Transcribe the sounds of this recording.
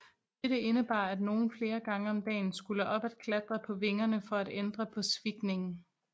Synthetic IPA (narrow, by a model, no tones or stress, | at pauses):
d̥eɾ̥əe̝nəb̥ɑ̰̈ːæd̥no̝ːn̩fle̝ːɐɡ̥ɑ̈ŋəɒ̽md̥ɛ̰ːn̩sɡ̥uləʔɒ̽b̥æd̥kʰlæd̥ʁɐpʰɒ̽ʋe̝ŋɐnəfɒ̽æd̥end̥ʁɐpʰɒ̽sʋiɡ̥ne̝ŋn̩